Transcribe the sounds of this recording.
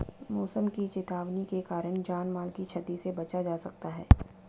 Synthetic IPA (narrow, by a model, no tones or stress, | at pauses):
mɔːsəmkit͡ʃɪt̪aːʋnikekaːɾəɽ̃d͡ʒaːnmaːlkit͡ʃʰɐt̪isebɐt͡ʃad͡ʒaːsɐk̚t̪aɦɛː